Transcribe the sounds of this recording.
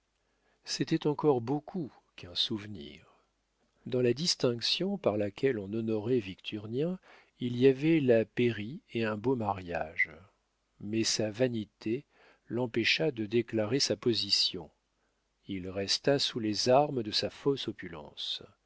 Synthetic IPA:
sɛt̪ɛt̪ɑ̃kɔʁbokʰu | kɛ̃suvnḭːʁ | d̪ɑ̃lad̪ist̪ɛ̃ksjɔ̃paʁlakʲɛlɔ̃nɔnɔʁɛvikt̪ʰyʁnjɛ̃ | iliavɛlapeʁieɛ̃bomaʁja̰ʒ | mɛsavanit̪ʰe | lɑ̃peʃad̪əd̪eklaʁesapɔzisjɔ̃ | ilʁɛst̪asulezaʁməd̪əsafɔsɔpylɑ̰̃s

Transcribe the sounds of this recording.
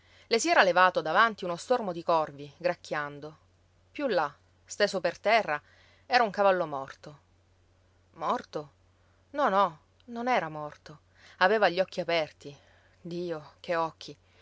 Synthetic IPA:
lesiɛːɾalevaːt̪od̪avant̪iunost̪ormod̪ikɔrviɡɾakʰːjand̪o | pjulːa | st̪eːsopert̪ɛrːa | ɛːɾauŋkavalːomɔrt̪o | mɔrt̪o | nɔnɔ | nonɛːɾamɔrt̪o | aveːvaʎːɔkːiapɛrt̪i | d̪iːokeɔkʰːi

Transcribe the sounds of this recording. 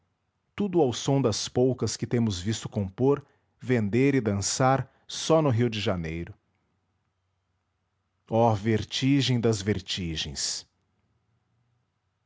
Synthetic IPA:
t̪ud̪ʊawsõd̪ɐspowkɐskɪt̪ẽmʊzvist̪ʊ̥kõpoɾ | vẽnd̪eɾɪd̪ɐ̃saɾ | sɔnʊɦiwd͡ʒɪʒanejɾʊ | ɔveɾt͡ʃiʒẽj̃d̪ɐzveɾt͡ʃiʒẽj̃s

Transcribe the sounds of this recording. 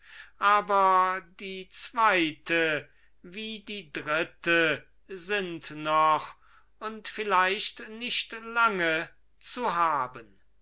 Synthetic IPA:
ʔaːbɐdiːt͡sv̥aɪtʰə | viːdiːdʁɪtə | zɪntnɔχ | ʊntfɪlaɪʃtnɪʃtlaŋə | t͡suɦaːbən

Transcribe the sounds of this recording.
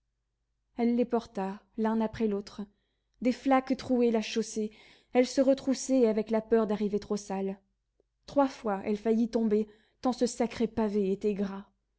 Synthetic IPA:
ɛlːepɔʁt̪a | lɛ̃napχɛlot̪χ | d̪eflakt̪χuɛlaʃose | ɛlsəʁət̪χusɛavɛklapœʁd̪aʁivet̪χosal | t̪χwafwaʔɛ̰lfajit̪ɔ̃be | t̪ɑ̃səsakχepaveet̪ɛɡʁa

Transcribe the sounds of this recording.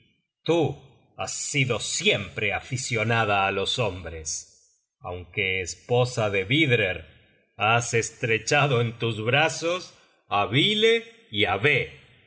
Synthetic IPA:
t̪u | asːiðo̞sjempɾeafisjo̞naðaːlo̞sombɾes | a̰wŋkeːspo̞saðeβiðɾeɾ | asest̪ɾet͡ʃaðoent̪uzβɾasos | aβile | iaβe

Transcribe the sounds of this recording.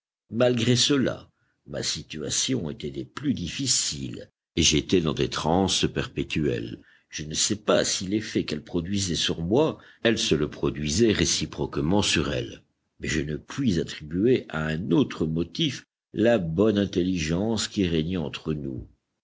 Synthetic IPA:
malɡʁesəla̰ | ma̰sit̪ya̰sjɔ̃et̪ɛd̪eplyd̪ifisḭl | eʒet̪ɛd̪ɑ̃d̪et̪χɑ̃spɛʁpet̪yɛ̰l | ʒ̥ənəsɛpa̰silefɛkɛlpχɔd̪ɥizɛsyʁmwa | ɛlsələpχɔd̪ɥizɛʁesipχɔkmɑ̃syʁɛ̰l | mɛʒənəpɥizat̪χibyeʔaɛ̃not̪χəmɔt̪if | labɔnɛ̃t̪eliʒɑ̃skʲiʁɛɲɛɑ̃t̪χənṵ

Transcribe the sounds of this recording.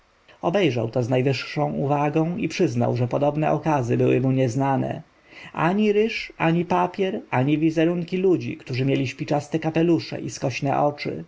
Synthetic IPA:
ɔbɛjʐa̰wt̪ɔznajvɘʂːɔ̃w̃ʔuvaɡɔ̃w̃ipʂɘzna̰wʐɛpɔd̪ɔbnɛʔɔkazɘbɘwɘmuɲɛznanɛ̰ | a̰ɲiɾɘʂaɲipapʲjɛɾaɲivʲizɛɾuŋkʲilud͡ʑḭkt̪uʐɘmʲjelʲiɕpʲit͡ʂast̪ɛkapɛluʂɛ̰ʔiskɔɕnɛ̰ʔɔt͡ʂɘ̰

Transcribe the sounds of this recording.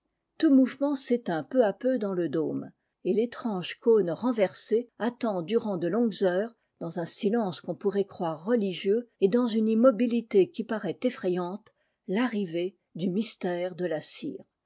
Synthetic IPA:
t̪umuvmɑ̃set̪ɛ̃pøapød̪ɑ̃ləd̪om | elet̪χɑ̃ʒkonʁɑ̃vɛʁseat̪ɑ̃d̪yʁɑ̃d̪əlɔ̃ɡzœːʁ | d̪ɑ̃zɛ̃silɑ̃skɔ̃puʁɛkχwaʁːəliʒjøed̪ɑ̃zynimɔbilit̪ekʲipaʁɛt̪efχɛjɑ̃t̪ | laʁive | d̪ymist̪ɛʁd̪əlasḭːʁ

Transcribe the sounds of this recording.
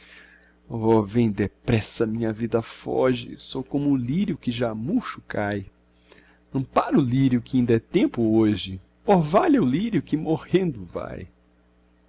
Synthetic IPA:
ɔvẽj̃d̪epɾɛsɐmĩɲɐvid̪ɐfɔ̰ʒɪ̰sowkõmʊːliɾjʊkɪʒamuʃʊkʰaj | ɐ̃paɾʊliɾjʊkɪĩnd̪ɛt̪ẽmpʊoʒɪ | ovaʎɐʊliɾjʊkɪmohẽnd̪ʊva̰j

